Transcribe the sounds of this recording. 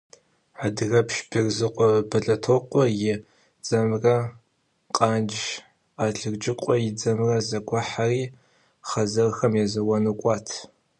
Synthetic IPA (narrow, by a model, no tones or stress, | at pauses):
ħadɨɣɐpʃbʰɨrzɨqʷʼɔbɐɮʼɐtʰoːqʷʼɔjɪ | d͡zɐmrɐ | qʼaːd͡ʒ | aːɮɨrd͡ʒʼɪqʷʼɔjɪd͡zɐmrɐzɐɡʷaħariː | χɐzɐrxɐmjɛzɐwɐnɨkʷʼɑːtʰ